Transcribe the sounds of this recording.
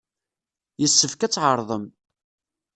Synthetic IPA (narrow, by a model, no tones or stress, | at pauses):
jəsːəfkæt͡sːʕəɾˤðˤəm